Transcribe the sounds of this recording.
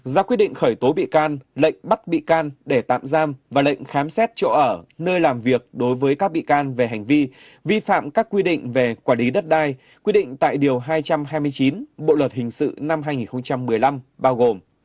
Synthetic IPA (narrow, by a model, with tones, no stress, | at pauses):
zaː˧˩kwi˦˥ɗḭ˧˨ŋ̟xəː˧˩jt̪o˨˦ɓḭ˧˨kaː˧nlə̰˧˨jŋ̟ɓa˦˥t̚ɓḭ˧˨kaː˧nɗe˧˩t̪a̰ː˧˨mzaː˧mvaː˨˩lə̰˧˨jŋ̟xaː˨˦msɛ˦˥t̚t͡ɕɔ̰˧˨ʔəː˧˩nəː˧jlaː˨˩mvi˨˩ək̚ɗo˨˦jvəː˨˦jkaː˦˥k̚ɓḭ˧˨kaː˧nve˨˩ɦa˨˩jŋ̟vi˧ | vi˧fa̰ː˧˨mkaː˦˥kːwi˧ɗḭ̈˧˨ŋ̟ve˨˩kwaː˧˩li˨˦ɗə˦˥t̚ɗaː˧j | kwi˧ɗḭ̈˧˨ŋ̟t̪a̰ː˧˨jɗi˨˩əwɦaː˧jt͡ɕa˧mɦaː˧jmɨ˧əjt͡ɕi˨˦nɓo̰˧˨lwə˨˩t̚hï˨˩ŋ̟sɨ̰˧˨na˧mɦaː˧jŋi˨˩nxə˧wŋ͡mt͡ɕa˧mːɨ˨˩əjla˧mɓaː˧wɣo˨˩m